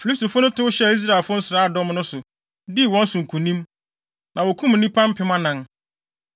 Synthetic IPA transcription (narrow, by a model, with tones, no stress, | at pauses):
fi˨li˦sto˨fʊ˦nʊ̃˦tʰʊ˦ʊ˦ɕɛ˦˨i˦s̬ɾa˨ɛ˨lfʊ˦ʊ˦n̩˦sɪ˨ɾaː˦a˦˨dɔ˦mnʊ̃˦sʊ˨ | di˦˨wɔ̃˦n̩˦sʊ̃˨ŋ̩˨kʰũ˨nĩ˦m | nã˨wɔ˨kʰũ˦m̩˨nĩ˦pʰã˦m̩˦pʰɪ˦mã˦nã˨˦n